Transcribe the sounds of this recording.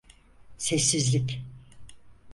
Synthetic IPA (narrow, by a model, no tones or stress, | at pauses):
sɛsːizlʲɪk